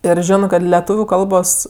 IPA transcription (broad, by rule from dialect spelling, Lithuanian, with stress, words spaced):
ɪr ˈʒʲoːnɜ kɐt lʲɛˈtuːʋʲʊ ˈkɐlˠboːs